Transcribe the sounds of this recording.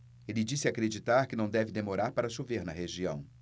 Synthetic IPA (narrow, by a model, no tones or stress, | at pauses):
elɪd͡ʒisɪakɾed͡ʒit̪aɾkɪnɐ̃w̃d̪ɛvɪd̪emoɾaɾpaɾɐʃoveɾnɐheʒiɐ̰̃w̃